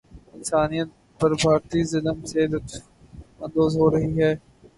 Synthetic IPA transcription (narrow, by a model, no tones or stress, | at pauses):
ɪnsaːnijət̪̚ | pɐɾbʱaːɾt̪izɪlmseːd̪ət̪ | ə̃nd̪oːzɦoːɾɐɦiɦɛː